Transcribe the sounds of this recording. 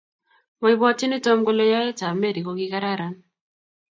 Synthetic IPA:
wɔ˦i˦bɔ˦ti˦ni˦to˦mko˦le˦ja˦e˦ta˨me˦ɾi˨ko˨ki˦ka˦ɾa˦ɾa˨n

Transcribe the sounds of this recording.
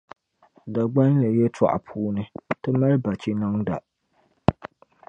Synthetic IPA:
da˨ɡ͡ba˦n˦la˨jɛ˦tʰa̰˦˨ʔa̰˨pʰuː˦nɨ˦tɨ˦ma˦ɾba˨t͡ʃi˦na˦ŋda̰˨

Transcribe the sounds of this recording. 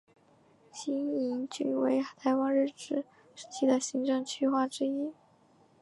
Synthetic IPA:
ɕi˥ni˧˥nt͡ɕy˨˩we˧˥ɪt̪ʰa˧˥ɪwɑ˥ŋɻɻ̩˥˩ʈ͡ʂɻ̩˨˩˦ | ʂɻ̩˥˩t͡ɕʰi˥˩d̪ə˨ɕi˧˥ŋʈ͡ʂɤ˥˩ŋt͡ɕʰy˥˧xwa˥˩ʈ͡ʂɻ̩˥i˥

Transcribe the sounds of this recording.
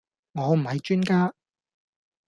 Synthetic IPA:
ŋɔː˨˧m̩˨˩hɐ˨˧jt͡ʃyː˥nkaː˥

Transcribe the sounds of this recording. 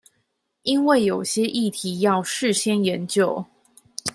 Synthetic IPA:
i˦nwe˥˩ɪjo˨˩ʊɕjɛ˦ʔi˥˩t̪ʰi˨˦jɑ˥˧ʊʂɻ̩˥˨ɕjɛ˥njɛ˨˧˦nt͡ɕjo˥˨ʊ

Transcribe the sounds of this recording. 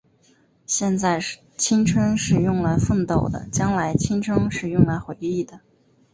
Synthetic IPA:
ɕjɛ˥˧nt͡sa˥˧ɪ | t͡ɕʰi˥nʈ͡ʂʰwə˥nʂɻ̩˥˧jʊ˥˩ŋla˧˥ɪfə˥˩nt̪o˥˩ʊd̪ə̰˦t͡ɕjɑ˥ŋla˧˥ɪt͡ɕʰi˥nʈ͡ʂʰɤ˥ŋʂɻ̩˥˧jʊ˥˩ŋla˧˥ɪxwe˧˥ɪi˥˩d̪ə˩

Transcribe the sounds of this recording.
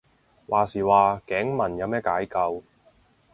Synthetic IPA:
wʔaː˨˩siː˨˩waː˨˧kɛː˨˥ŋmɐ˨˩njɐ˨˧wmɛː˥kaː˨˥jkɐ˧w

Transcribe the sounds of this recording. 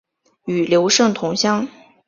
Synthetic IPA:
y˨˩ljo˧˥ʊʂɤ˥˩ŋt̪ʰʊ˧˥ŋɕjɑ˥ŋ

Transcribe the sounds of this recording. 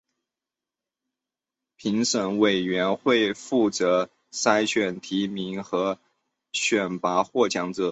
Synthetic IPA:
pʰi˧˥ŋʂə˨˩nwe˨˩ɪɥɛ˧˥nxwe˥˧ɪfu˥˩t͡sɤ˧˥ | sa˥ɪɕʰɥɛ˨˩nt̪ʰi˧˥mi˧˥ŋxɤ˧˥ | ɕɥɛ˨˩npa˧˥xwɔ˥˩t͡ɕʰjɑ˥ŋt͡s̩˥˩

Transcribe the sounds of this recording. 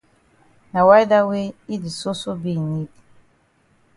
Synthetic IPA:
na˨wa˦jda˦we˦i˦di˨so˦so˦bi˦˨ni˦di˨

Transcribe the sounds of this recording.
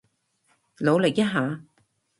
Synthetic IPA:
lo˨˧wlɪ˨˩k̚jɐ˥t̚ɦaː˨˧

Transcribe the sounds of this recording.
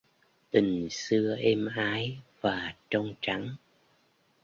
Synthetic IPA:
t̪ï˨˩ŋ̟sɨ˧əʔɛ˧mʔaː˨˦jvaː˨˩t͡ɕɔ˧wŋ͡mt͡ɕa˨˦ŋ

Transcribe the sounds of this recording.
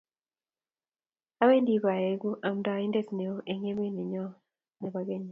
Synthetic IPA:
a˦we˦ndi˨˦ba˨e˨ɡu˦ʔa˨mda˨˦i˦nde˦sne˨o˦ʔe˨ŋe˦me˦ni˨ɲɔ˦ | nɛ˨ba˦ɡe˦ɲɔ˨

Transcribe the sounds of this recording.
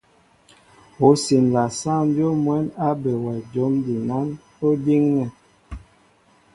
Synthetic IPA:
o˨˦si˨n˨la˨sa˦˨m˦bjo˦mwɛ˨˦na˦be˨wɛ˨d͡ʒo˨˦mdi˨nɔ˨˦n | o˦di˦ŋnɛ˨

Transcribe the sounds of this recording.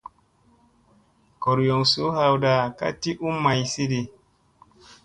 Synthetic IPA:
kɔ˨ɾjɔ˨ŋso˨˦ha˨wda˨ka̰˦ti˦ʔu˦ma˨jsi˦de˨

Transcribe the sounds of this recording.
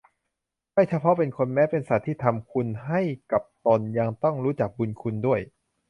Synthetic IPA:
ma˥˩jt͡ɕʰa˧pʰɔ˦˥pe˧nkʰo˧nmɛː˦˥pe˧nsa˨˩t̪ʰːiː˥˩t̪ʰa˧mkʰu˧nɦa˥˩jka˨˩p̚t̪o˧nja˧ŋt̪ɔ˥˩ŋɾuː˦˥t͡ɕa˨˩k̚bu˧nkʰu˧ndu˥˩əj

